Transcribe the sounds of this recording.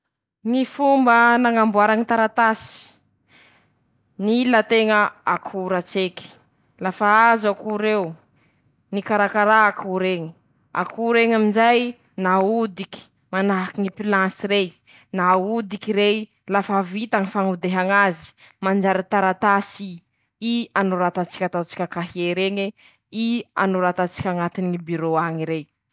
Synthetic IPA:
ŋifumbənaŋambuaɾaŋit̪aɾat̪asi̥ | nilat̪eŋəakʰuɾat͡seki̥ | lafaazakuɾew | nikaɾakaɾakuɾeŋi̥ | a̰kʰuɾeŋamind͡ʒaj | naud̪iki̥ | manaɦkiŋipilasiɾej | naud̪ikiɾej | lafavit̪aŋifaŋud̪eɦaŋazi̥ | mand͡ʒaɾit̪aɾat̪asi | ianoɾat̪at͡si̥kʲat̪awt͡si̥kʲakaɦieɾeŋe | ia̰noɾat̪at͡si̥kʲaŋat̪inibyɾoaŋiɾej

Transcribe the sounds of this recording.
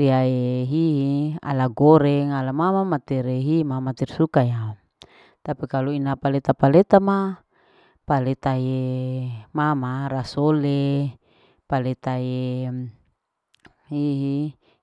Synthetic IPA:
ɾiaeɦiɦia̰laɡoɾɛŋalamamamat̪ɛɾeɦimamat̪ɛrsukaja | t̪apikaluinapalet̪apalet̪ama | palɛt̪aje | mamaɾasole | palet̪aje | hiɦi

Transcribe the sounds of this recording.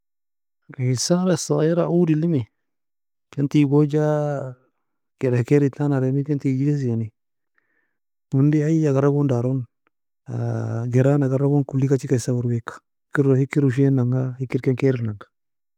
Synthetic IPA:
kaisaɾesaeɾaʔudilimi | kentiɡod͡ʒa | ɡ̥ɛɾahkeɾitanaɾenikentid͡ʒiɡes̬iani | hundiajaɡaɾaɡondaɾon | aɡeɾanaɡaɾaɡonkulikat͡ʃikaisaɡuɾwekḁhikiɾhikiɾuʃ̬enaŋɡahikiɾkɛŋkeɾinaŋɡḁ

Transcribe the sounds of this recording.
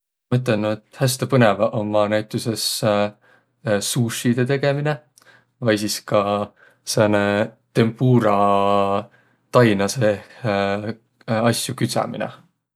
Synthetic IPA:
mɤt̪̬lenːot̪hæst̪epɤne̞vɑʔomːɑnæjt̪ˑuse̞s | suːʃid̪̥e̞t̪e̞ɡ̥e̞mine̞ | vɑjsiskɑ | senet̪e̞mpuːɾɑ | t̪ɑjnɑse | ɑsʲjukyt̪sɑ̰mḭnḛ

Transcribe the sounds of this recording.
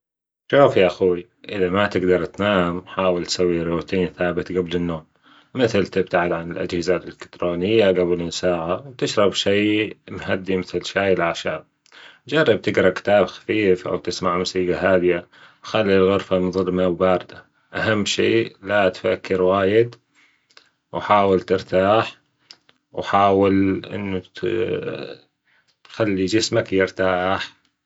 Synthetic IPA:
ʃuːfjaʔaxuːi | ʔɪðamat̪ɪɡd̪ɑɾˤt̪naːmħaːwɪlt̪sawːiɾoːt̪ʰiːnθaːbɪt̪ɡablɪnːoːm | mɪθlt̪ɪb̚t̪aʕɪd̪ʕanɪlʔa̰d͡ʒhɪzalʔɪlɪkt̪ɾoːnɪjːaɡablmsaːʕawt̪ɪʃɾˤɑbʃijmɦad̪ːimɪθlʃaːjɪlʔaʕʃaːb̚ | d͡ʒɑrˤːɑb̚t̪ɪɡɾˤɑkɪ̥t̪aːbxḁfiːfʔa̰wt̪ɪsmaʕmʊsiːɡaɦaːbɪja | wxalːilɣʊɾfamɪnðˤɨlːmawbaːɾˤd̪a | ʔahamːʃḛːlat̪fakːɪɾwaːjɪd̪ | wħaːwɪlt̪ɪɾt̪aːħ | wħaːwɪlʔɪ̰nːa | t̪xalːid͡ʒɪsmakjɪɾt̪aːħ

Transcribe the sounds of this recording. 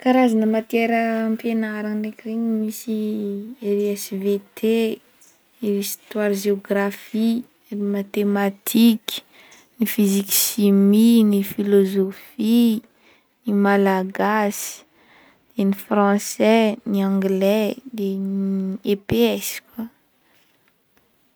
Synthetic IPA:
kaɾazanəmat̪eɾəmpenaɾanekreɲimisieɾɛsvet̪ʰe | iist̪warʒeoɡrafi | mat̪emat̪ʰikʲi̥ | nifiziki̥ʃiminifilozofi | nimalaɡasi̥ | d̪̥enifrɑ̃sɛniãŋɡlɛd̪eniepeɛskwa

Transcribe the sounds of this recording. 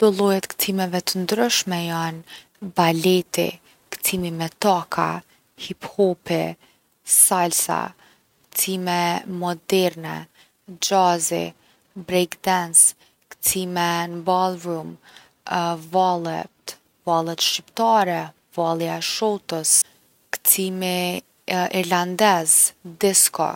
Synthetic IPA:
d̪̥ɔlˠɔjɛt̪kt̪ʰimɛvɛt̪ənd̪ɾəʃmɛjan | balɛt̪ḭ | kt̪ʰimimɛt̪akʰa̰ | hiphɔpɛ | salsa̰ | kt̪ʰimɛmɔd̪ɛɾnɛ̰ | d͡ʒazḭ | bɾɛkd̪ɛns | kt̪ʰimɛnbalˠɹum | valˠɛt̪ | valˠɛt̪ʃipt̪aɾɛ | valˠjaɛʃɔt̪əs | kt̪ʰimi | iɾland̪ɛzd̪ɛskɔ̰

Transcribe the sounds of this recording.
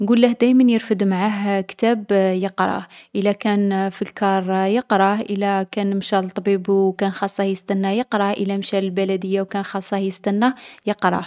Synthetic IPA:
nɡulːəhd̪æjmənjəɾfəd̪maʕaɦkt̪æbjəqɾˤɑ̰ʔəlækænfilkɑɾˤjəqɾˤɑʔəlækænmʃælt̪ˤːbibukænxɑsˤːɑjəst̪ænːæjəqɾˤɑʔə̰læmʃæləlbælæd̪əjːawkænxɑsˤːɑhjəst̪ænːæjəqɾˤɑ̰

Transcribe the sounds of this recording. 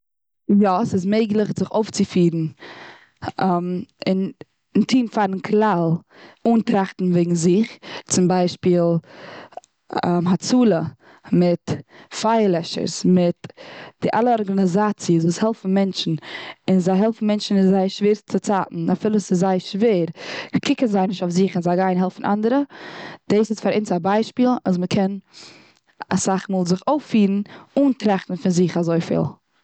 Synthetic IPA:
jɔsɪsmeɪɡlˠəχzɪχoʊft͡sɪfiːɾn̩ | mɪn | ntʰiːnfaɾn̩kʰlˠalˠ | uːntɾaχtn̩veɪɡŋ̩zɪχt͡sɪmbaɪʃpiːlˠ | mɦat͡suːlˠə | mɪtfaɪlˠɛʃə̰ɾsmɪtd̥ɪʔa̰lˠəɔɾɡanɪzaːt͡siəsvuːshɛlˠfn̩mɛnt͡ʃn̩ɪnzaɪɦɛlˠfn̩mɛnt͡ʃn̩ɪzaɪʃveːɾt͡sɪt͡saːtn̩afɪlˠəsɪszaɪʃveːɾkʰɪkənzaɪnɪʃtoʊfzɪχɪnzaɪɡaɪnɦɛlˠfn̩ʔa̰ndəɾəd̥eːsɪsfaɾʔint͡sabaɪʃpiːlˠa̰s̬məkʰɛn | a̰saχmuːlˠzɪχoʊfiːɾn̩uːntɾaχtn̩fɪnzɪχazoɪfɪ̰lˠ

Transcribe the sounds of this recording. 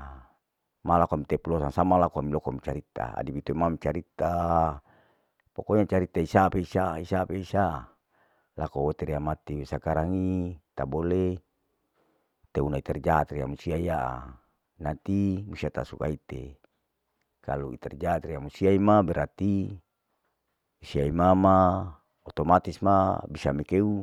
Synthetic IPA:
malakoamit̪epulosaŋsamalakoamilokomit͡ʃaɾit̪a̰a̰dipit̪oimamt͡ʃaɾit̪a | pokoiɲat͡ʃaɾit̪aisapeisaisapeisa | lakowot̪eɾiamat̪iwesakaɾaŋit̪abole | t̪eunait̪ɛrd͡ʒaːt̪riamusiaijaʔa̰ | nat̪imusiat̪a̰suka̰it̪ḛ | kaluḭt̪ɛrd͡ʒaːt̪riamusiaimabɛɾat̪i | usiaimama | ot̪omat̪ismabisamekeu

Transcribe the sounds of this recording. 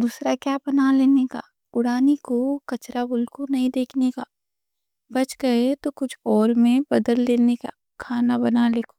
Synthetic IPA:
d̪uːsɾakjaːbɐnaleːneka̰ː | ʊɽaːnikokɐt͡ʃɾabʊlkonɐɦĩd̪eːkʰnekaː | bɐt͡ʃɡɐet̪okʊt͡ʃʰɔːɾmẽbɐd̪əlːeːneka̰ | kʰaːnabɐnaleːko̥

